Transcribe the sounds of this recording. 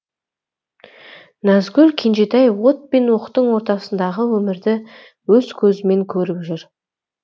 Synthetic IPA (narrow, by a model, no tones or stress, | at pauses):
næzɡʲɵlkʲʰenʒet̪æjwo̞t̪̚pe̞nwo̞qt̪ːəɴwo̞ɾt̪ɑsənd̪ɑʁəwɵmɪɾd̪ɪ | wɵz̥kʲʰɵzɪme̞ŋkʲʰɵɾɪpʒʏɾ